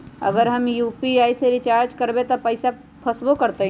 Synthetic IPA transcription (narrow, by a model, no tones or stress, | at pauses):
ə̰ɡəɾɦəmjuːpiaːiseɾit͡ʃaːɾd͡ʒkəɾbet̪ɔpəɪsa | pʰəsbokəɾt̪eɦ